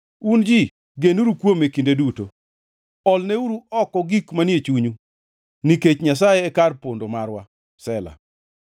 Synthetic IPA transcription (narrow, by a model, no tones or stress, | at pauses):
und͡ʒi | ɡenuɾukwomekindeduto̰ | ɔlneuɾuɔkɔɡikmanjet͡ʃuɲu | niket͡ʃɲas̬ajeːkarpondomarwa | sɛla̰